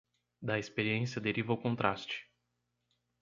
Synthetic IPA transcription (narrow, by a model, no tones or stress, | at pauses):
d̪ɐespeɾiẽsjɐd̪eɾivɐʊkõnt̪ɾast͡ʃɪ̥